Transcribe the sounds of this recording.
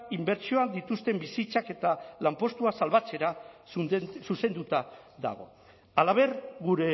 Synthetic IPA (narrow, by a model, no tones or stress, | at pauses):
imbe̞ɾt͡ʃio̞ad̪it̪ust̪e̞mbisit͡sake̞t̪alampo̞st̪uasalβat͡se̞ɾassuse̞nd̪ut̪aða̰ɣ̞o̞̰ | alaβ̞e̞ɾɣuɾe̞